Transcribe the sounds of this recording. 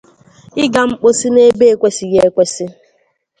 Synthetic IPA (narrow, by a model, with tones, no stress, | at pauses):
ɪ˦ɡa˨ŋ͡m̩˦k͡po˦si˦ne˦be˦e˨kʷe˦si˨je˦e˦kʷe˦si˦